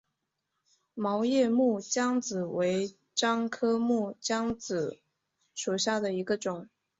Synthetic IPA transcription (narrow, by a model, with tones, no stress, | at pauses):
mɑ˧˥ʊjɛ˥˧mu˥˩t͡ɕjɑ˥ŋt͡sɹ̩˨˩we˧˥ɪ | ʈ͡ʂɑ˥ŋkʰɤ˥mu˥˩t͡ɕjɑ˥ŋt͡sɹ̩˨˩ | ʂu˨˩ɕja˥˩d̪ə˩i˧˥ɡə˧ʈ͡ʂʊ˨˩˦ŋ